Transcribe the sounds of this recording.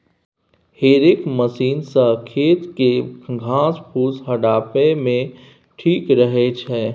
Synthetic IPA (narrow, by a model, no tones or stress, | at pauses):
heːɾɪkməsiːnsəkʰeːt̪keɡʱãːspʰuːsɦɐɖaːpemẽ | ʈʰiːkɾəɦet͡ʃʰɛː